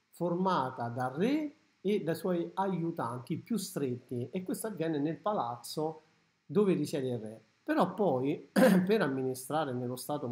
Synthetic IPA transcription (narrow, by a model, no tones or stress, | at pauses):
formaːt̪ad̪arːɛ | ed̪ajswɔjajut̪a̰nt̪ipːjust̪ɾet̪ːiekːwest̪avːjɛːnɪnelpalat̪sːo | d̪oːverit͡ʃjɛd̪irːɛ | peɾɔpːɔjpeɾamːinist̪ɾaːɾenelːost̪aːt̪o